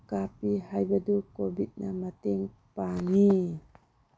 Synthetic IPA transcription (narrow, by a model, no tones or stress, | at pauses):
kapihajbadukobit̪̚namat̪iŋ | pani